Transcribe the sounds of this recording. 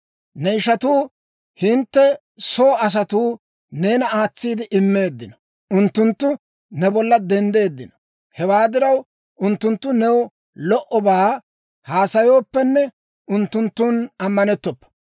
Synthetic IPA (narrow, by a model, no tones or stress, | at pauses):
nɛɪʃɐt̪uː | hɪnt̪ːɛ | so̞ːɐs̬ɐt̪uː | ne̞ːnɐaːt͡sːiːd̪ɪʔɪmːe̞ːd̪ːɪnɐ | ʊnt̪ːʊnt̪ːʊ | nɛbɔlːɐd̪ɛnd̪e̞ːd̪ːɪnɐ̥ | hɛwaːd̪ɪɾɐw | ʊnt̪ːʊnt̪ːʊnɛwɔ | lɔʔɔbaː | haːsɐjo̞ːpːɛnːɛ | ʔʊnt̪ːʊnt̪ːuːnɐmːɐnɛt̪ːɔpːɛ̥